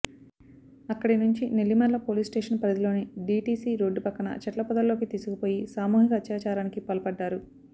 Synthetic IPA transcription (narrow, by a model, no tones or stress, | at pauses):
ɐkːɐɽinuɲt͡ʃinelːimɐɾlɐpo̞ːliːsʈeːʂɐnpɾɐd̪ilo̞ːneɖiːʈiːsiːɾo̞ːɖːupɐkːɐnɐ̰t͡ʃɐʈlɐpɐd̪ɐlːo̞ːkit̪iːsukupo̞ːjisaːmuːɦikɐːt̪ːjaːt͡ʃaːɾaːnikipɐlpɐɖːaːɾu